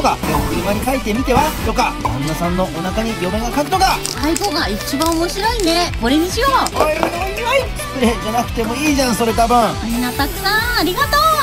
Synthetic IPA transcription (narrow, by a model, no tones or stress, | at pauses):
t̪okajooiβaɲ̟ikait̪ːe̞mʲit̪e̞βat̪o̞kamõ̰nːasãnːo̞ʔonakaɲ̟ijʲo̞mẽŋɡakakɯ̟t̪oka | aiɡoɡait͡ɕibãomoɕiɾo̞ĩnd̪eko̞ɾe̞ɲ̟iɕijoː | kɯɾed͡ʑanakɯ̟̥t̪e̞mo̞iːʑãɰ̃so̞ɾe̞t̪abɯ̃ɴminːat̪akɯ̥sãaɾʲiɡat̪oː